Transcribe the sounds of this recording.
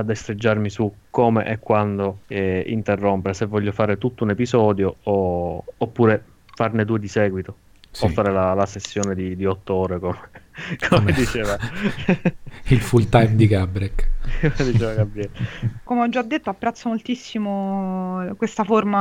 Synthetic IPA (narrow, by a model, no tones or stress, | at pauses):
ad̪ːest̪ɾed͡ʒːarmisukːomeʔɛkːwand̪oɛḭnt̪erːompeɾesevːɔʎːofaːɾet̪ut̪ːounepizɔːd̪jooː | pːuːɾe | farned̪uːed̪isɛːɡwit̪o | offːaɾelalasesːjoːned̪id̪iɔt̪ːoɔːɾekomekʰomed̪it͡ʃeːva | ilfult̪ajmd̪ikabɾɛkd̪it͡ʃeːvaɡabɾiɛlkomeɔd͡ʒːad̪ːet̪ːoapːɾɛt̪sːomolt̪isːimo | kwest̪aforma